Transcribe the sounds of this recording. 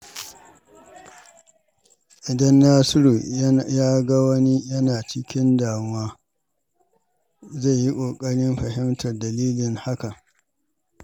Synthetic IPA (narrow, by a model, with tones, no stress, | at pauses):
ʔɪ˨dɐ˦nːaː˦sɪ˦ɾu˨jaː˦ɡɐ˦wɐ˦ni˦jɐ˦naː˨t͡ʃɪ˦kʲɪ˦ndaː˨mʊ˦waː˦ | za˦˨ji˦kʷʼoː˨kʼɐ˦ɽɪ˦mɸɐ˨hɪ˦mtʰɐ˨rdɐ˨liː˦lɪ˨ŋha˦ka˨